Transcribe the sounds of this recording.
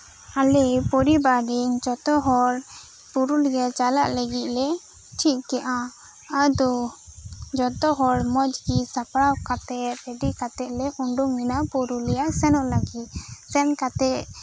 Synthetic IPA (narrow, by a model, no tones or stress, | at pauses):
alɛpɔɾibaɖiŋd͡ʒɔt̪ɔɦɔɾ | puɾulɡɛt͡ʃala̰ʔləɡit̪̚lɛ | t͡ʃʰiʔ̪̚kɛʔã | ad̪ɔ | d͡ʒɔt̪ɔɦɔɾmɔd͡ʒkisapɽawkat̪ɛpɛɖikat̪ɛʔ̪lɛʔuɳɖuminapuɾulɛjaʔsɛnɔʔlaɡit̪̚sɛnkat̪ɛʔ